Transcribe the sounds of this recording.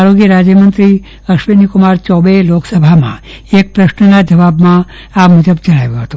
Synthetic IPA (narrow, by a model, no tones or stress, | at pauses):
aɾoɡjəɾad͡ʒjəmənt̪ɾi | əʃʋenikʊmaɾt͡ʃɔʋeloksəbʱamã̰ | ek̚pɾəʃnənad͡ʒəʋabmã | amud͡ʒəbd͡ʒəɽ̃aʋjõɦət̪o